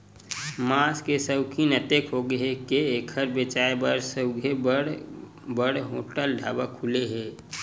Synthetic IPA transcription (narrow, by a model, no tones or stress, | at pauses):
maskesəwkʰinət̪ekɦoɡəɦekeːkʰəɾbet͡ʃaːebəɾsəʊɡʱeɽ | bəɽɦoːʈəlɖʱaːbakʰuleɦɛː